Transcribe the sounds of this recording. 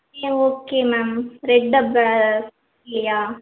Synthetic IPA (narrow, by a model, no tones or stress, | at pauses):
eoːkːemamɾeɖɐba | lijaː